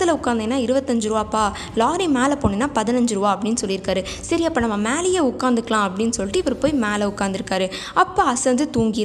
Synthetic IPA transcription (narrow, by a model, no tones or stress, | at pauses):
t̪ːɪlɐʊkːaːnd̪ɐnːaːɪɾɯbɐt̪ːɐɲd͡ʒɯɾɯʋaːɐpːaː | laːɾimeːlɐpoːnːenːaːpɐðɪnɐɲd͡ʒɯɾɯʋaːɐpːɐɽɪnːɯsɔlːɪɾɯkːaːɾɯ | sɐɾɪjapːɐːnɐmːɐmeːlɛjeːʊkːaːnd̪ɯkːɐlãːɐpːɐɽɪnːɯsɔlɪʈːɯɪʋɐɾɯpoːjmeːlɐʊkːaːɾnd̪ɪɾɯkːaːɾɯ | ɐpːaːɐsɛnd̪ɯt̪uːŋɡɪɾ